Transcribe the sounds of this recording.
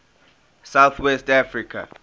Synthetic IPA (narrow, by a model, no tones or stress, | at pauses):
sawθwɛstafɹikʰa̰